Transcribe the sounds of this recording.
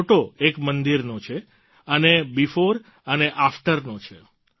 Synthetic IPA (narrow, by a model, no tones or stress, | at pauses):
ʈoekmənd̪iɾnot͡ʃʰe | ənebifoɾ | əneʔafʈəɾnot͡ʃʰe